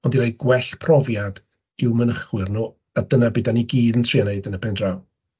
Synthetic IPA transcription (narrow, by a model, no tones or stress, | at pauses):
ɔndiɾajɡ̥wɛɬpʰrɔvjad | ɪwmənəχwɪrnuː | adənabɪdaniɡiːðəntʰreneɨdənəpʰɛndraw